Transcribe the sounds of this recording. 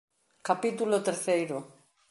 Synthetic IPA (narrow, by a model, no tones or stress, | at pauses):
kapit̪ulot̪eɾθejɾo